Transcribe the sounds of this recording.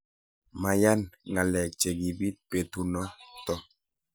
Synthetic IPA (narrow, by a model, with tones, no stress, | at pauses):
ma˨ja˦nŋa˨lɛ˨k̚t͡ʃe˨ɡi˨bi˦t̚pe˨tu˨nɔ˦tɔ˦